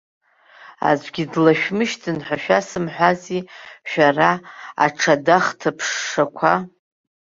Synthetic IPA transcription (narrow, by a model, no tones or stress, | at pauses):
a̰zʷʼɡʲidlaʃᶣmɨʃtʰɨnħʷaʃᶣasɨmħʷaziʃᶣaraa̰ʈ͡ʂʰadaχtʰapʰʂːakʷʰa